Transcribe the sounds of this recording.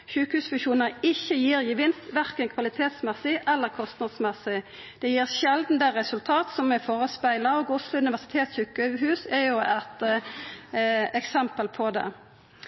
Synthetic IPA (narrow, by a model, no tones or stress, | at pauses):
ʃʉːkəhʉːsfʉʃuːnəɾɪçːəjiːʁjəʋɪnst̪ʋæʁkənkʰʋɑlɪt̪ʰeːt̪smɛsːɪʔɛlːəʁkʰɔst̪nɑd̪smɛsɪ | d̪̥ɛjiːʁʃɛld̪n̩d̪ɛʁɛsʉlt̪ʰɑːt̪sɔmɛfoːʁəspæɪlɑoːɡʊslʊʉnɪʋæʁsɪ̥t̪ʰeːt̪syːkəɦʉːsɛjʊɛt̪ | ɛksɛmpəlpʰɔd̪ɛ̰